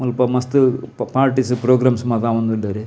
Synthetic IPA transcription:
mulpɐmɐst̪ɨpaːɾʈisɨpɾoːɡɾaːmsmɐðaːʋɐnd̪ulːɐɾe

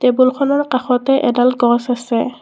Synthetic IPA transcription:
tebulxʰɔnaɹkaxɔtɛʔɛdalɡɔsasɛ

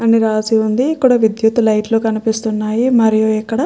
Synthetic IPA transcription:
ɐniɾaːsiund̪iːkːuɽɐʋid̪jut̪ːlɐjʈloːkɐnipist̪unːaːjimɐɾijoɛkːɐɽɐ

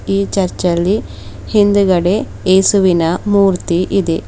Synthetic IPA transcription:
iːt͡ʃɐɾt͡ʃɐlːi | hind̪uɡɐɽe̞ | eːsuʋinɐmuːɾt̪iʔid̪e

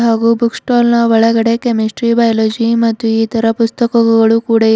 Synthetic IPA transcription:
ɦaɡuːbuksʈɔlnaʋəɭaɡəɽekemisʈɾibajlod͡ʑimɐt̪ːuit̪əɾapust̪əkəkəɡəɭukuɽe

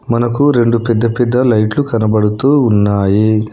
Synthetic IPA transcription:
mɐnɐkuɾe̞ɳɖupɛd̪ːɐpɛd̪ːɐlɐjʈlukɐnɐbɐɽut̪uːnːaːji

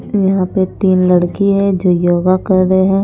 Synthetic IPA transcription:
jɐɦãpet̪iːnlɐɽkiɦɛ̃d͡ʒoːjoːɡakɐɾːəɦeɦɛ̃ː

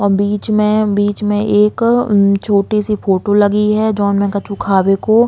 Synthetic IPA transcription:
ɔːɾbiːt͡ʃmẽbiːt͡ʃmẽʔeːkt͡ʃʰoːʈisifoːʈolɐɡiɦɛd͡ʒɔːnmɛ̃kɐt͡ʃukʰaːweko

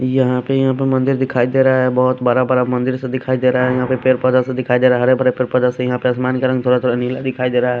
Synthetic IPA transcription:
jɐɦãpejɐɦãpemɐ̃nd̪ɪɾd̪ɪkʰaːid̪eːɾaaɦɛbɔɦʊt̪baɾabaɾamɐ̃nd̪ɪɾsẽd̪ɪkʰaːid̪eːɾaɦaɦɛjɐɦãpepeːɾpɔd͡ʒasẽd̪ɪkʰaːid̪eːɾaɦɦɐɾebəɾepeːɾpɔd͡ʒasẽjɐɦãpeəsmaːnkəɾə̃ŋɡt̪ʰoːɾat̪ʰoɾnilad̪ɪkʰaːid̪eːɾaaɦɛ

